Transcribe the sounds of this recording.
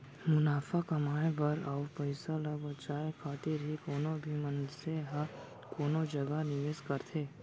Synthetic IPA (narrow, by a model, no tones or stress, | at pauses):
mʊnaːfakɐmaːebɐɾɔːʊpəɪsalabɐt͡ʃaːekʰaːt̪ɪɾɦikoːnobʱimɐnseɦa | koːnod͡ʒɐɡanɪʋeːzkɐɾt̪ʰeː